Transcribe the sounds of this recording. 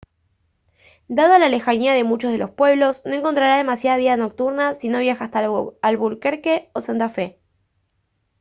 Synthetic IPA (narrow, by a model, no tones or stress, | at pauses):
d̪að̞oalale̞xaɲiað̞e̞mut͡ʃozð̞elo̞spwe̞β̞lo̞sno̞e̞ŋko̞nt̪ɾaɾað̞e̞masjaðaβ̞iðano̞k̚t̪uɾnasino̞β̞jaxaːst̪aalβulkeɾkeosant̪afe̞